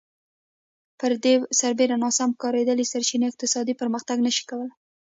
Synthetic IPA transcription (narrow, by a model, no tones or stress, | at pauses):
pəɾd̪esaɾbeɾanɑsamkɑɾed̪əlisaɾt͡ʃinoɪq̚t̪ɪsɑd̪ipəɾməxt̪aɡnəʃi̥kawəl